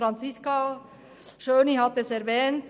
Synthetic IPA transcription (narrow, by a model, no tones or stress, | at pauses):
ɾɑnt͡sɪska | ʃøːnihɑt̪ɛsɛɾvɛːnt